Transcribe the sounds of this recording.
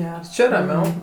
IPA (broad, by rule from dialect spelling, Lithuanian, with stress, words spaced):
ˈɡʲɛrs ˈt͡ʃʲɪ rɐˈmʲɛʊ